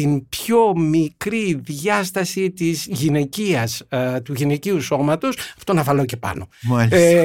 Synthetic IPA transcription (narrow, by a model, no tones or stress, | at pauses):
inbço̞mikɾiðʝɐst̪ɐsit̪izʝine̞ciɐst̪uʝine̞ciuso̞mɐt̪o̞sɐft̪onɐvɐlo̞ce̞pɐ̰no̞ma